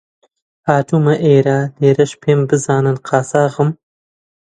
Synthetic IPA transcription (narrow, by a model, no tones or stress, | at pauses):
ɑːʈ͡ʂumaʔeːɾad̪eːɾɐʃpʰembəzɑːnanqʰɑːsɑːɣəm